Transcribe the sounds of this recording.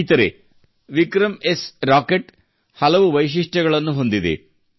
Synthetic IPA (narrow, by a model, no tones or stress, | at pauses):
t̪ɐɾḛ | ʋikɾɐmesɾaːkeʈ | hɐlɐʋuʋɐjʃ̬iʂʈɐɡɐɭɐnːuɦo̞nd̪id̪ḛ